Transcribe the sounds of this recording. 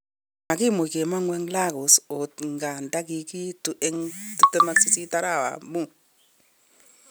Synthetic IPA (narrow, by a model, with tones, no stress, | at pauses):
ma˨ki˦mo˨ke˨ma˦ŋwɛ˦ŋla˦kɔ˨sɔ˨tŋɡa˨nda˦ki˨ki˦tu˨ʔɛ˦ŋtu˨tɛ˦ma˦si˦si˦ta˦ɾa˦˨wa̰˨mmu˦˨